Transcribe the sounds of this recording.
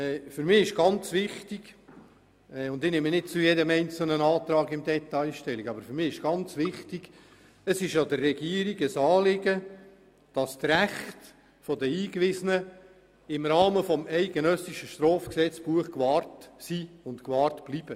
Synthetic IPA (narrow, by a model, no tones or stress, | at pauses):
ɛfʏɾmɪːɪʃɡ̥ɑnt͡sʋɪχtiɡ̥ | ɛʊndɪnɪmənɪt̚t͡sʊjɛdəmɛɪnt͡sl̩nənɑːt̪ɾɑːɡɪmdɛt̪ɑjʃtɛliɡɑbəɾfʏɾmɪːɪʃɡ̥ɑnt͡svɪχtiɡ̥ | əsɪʃɑdərːɛɡiəɾiɡəsɑːlɪɡə | d̥ɑst̪ræχt | fɔdəiːkvɪzənə | ɪmrɑːməfɔmɛɪɡənœsiʃəʃtrɔːfksɛt͡sb̥uəχkʋɑːrtsiʊntkʋɑːrtb̥lib̥ə